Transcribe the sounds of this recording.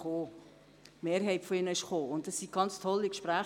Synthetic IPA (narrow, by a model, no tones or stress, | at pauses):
oː | meːɾɦɛɪtfoɪnəɪʃχoːʊntdɑsːiɡ̥ɑnt͡st̪ʰɔlːikʃpɾæː